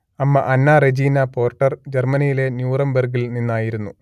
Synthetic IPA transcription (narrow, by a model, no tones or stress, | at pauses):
ɐmːɐʔɐnːaːred͡ʑiːnɐpo̞ːrʈːɐrd͡ʑermɐnijile̞njuːrɐmbɐrɡilninːaːjiɾunːu